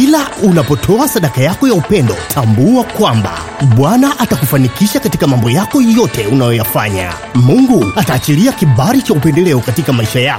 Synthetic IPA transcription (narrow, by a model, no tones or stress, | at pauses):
kilaunapɔtʰɔasaɗakajakɔjaupɛndɔtʰambuakwamba̰ | ɓwanaʔatakufanikiʃakatikamambɔjakɔjɔtʰɛunajɔjafaɲa̰ | muŋɡuataːt͡ʃiɾiakiɓaɾit͡ʃaupɛndɛlɛɔkatikamaiʃajaɔ